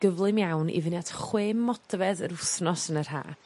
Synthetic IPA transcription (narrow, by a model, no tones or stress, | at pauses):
ɡ̥əvlˠɨmjawnḭvɪnjad̥χweːmːɔdvɛðəɾʊθnɔsənər̥ɦa̰ː